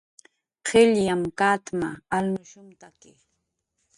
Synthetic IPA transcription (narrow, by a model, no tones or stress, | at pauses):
qʰeʎjamkat̪maːlnʊʃʊmt̪akɪ